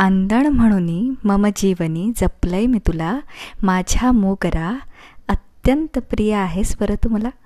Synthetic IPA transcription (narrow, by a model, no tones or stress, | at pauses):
and̪əɳm̤əɽ̃uːniːməməd͡ʑiʋəniːd͡zəpləjmit̪ulamad͡ʑʱamoɡɾa | ət̪jənt̪əpɾijaːɦesbəɾət̪um̤la